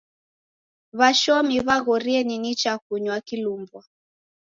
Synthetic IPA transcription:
βaʃɔmiβaɣɔɾiɛninit͡ʃakuɲwakilumbwa

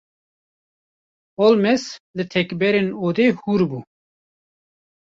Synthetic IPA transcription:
olmɛslɨt̪ʰɛkbɛɾenoːd̪eːhuːɾbuː

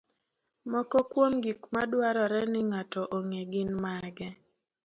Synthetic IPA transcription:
mɔkɔkwomɡikmadwaɾɔɾɛnɪŋatɔʔoŋeɡɪnmaɡɛ

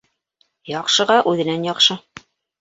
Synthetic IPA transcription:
jɒqʃɤ̆ʁɑʔʉðɘ̆nænjɒqʃɤ

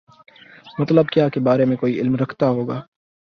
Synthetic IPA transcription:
mɐt̪ləb̚kjaːkebaːɾemẽkoːiɪlmɾɐkʰt̪aɦoːɡaː

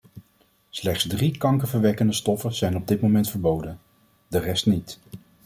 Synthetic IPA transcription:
slɛχtsdrikɑŋkəvəɹʋɛkəndəstɔfəz̥ɛjnɔb̚dɪt̚mowmɛntfəɹbowdən | dərɛstnit

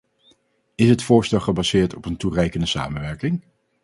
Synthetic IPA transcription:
ɪsɦətfʊːɹstɛlˠχəbazɪːɹtɔpənturɛjkəndəsa̰ːmənʋɛɹkɪŋ

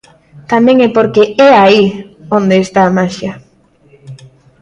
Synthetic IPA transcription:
t̪amɛ̃ŋɛpoɾkeʔɛaiond̪eːst̪aːmaʃja

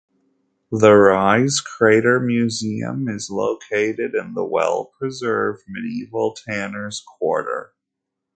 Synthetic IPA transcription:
ðəɹaɪz̥kʰɹ̥eɪɾə˞mjʉziɨ̰̃mɪzloʊkʰeɪɾɪɾɨ̃nðə̰wɛ̰lˠpʰɹ̥ɨzɜ˞vd̚mɨniivl̩ˠtʰænə˞z̥kʰw̥ɔ̰ɹɾə̰˞

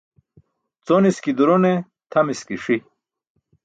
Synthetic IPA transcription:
t͡soniskid̪uɾone | t̪ʰɐmiskiʂi

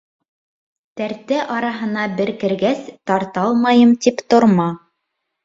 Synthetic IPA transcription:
t̪æɾt̪æʔɑɾɑɦɤ̆nɑbɘ̆ɾkɘ̆ɾɡæst̪ɑɾt̪ɑlˠmɑjɤmt̪ipt̪ŏɾmɑ

